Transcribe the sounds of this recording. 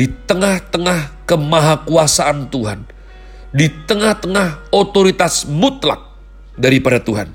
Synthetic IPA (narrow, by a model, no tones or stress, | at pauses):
it̪əŋaht̪əŋahkəmaɦakuasaʔant̪uɦan | dit̪əŋaht̪əŋahot̪oɾit̪asmut̪la̰k̚ | daɾipadat̪uɦa̰n